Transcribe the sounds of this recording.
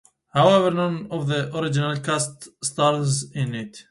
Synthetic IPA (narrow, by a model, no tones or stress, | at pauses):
hawɛvəɾnʌ̃nɔvðəʔɔɾɪd͡ʒɪnalkʰastst̪ɑɾzɪ̃nɪt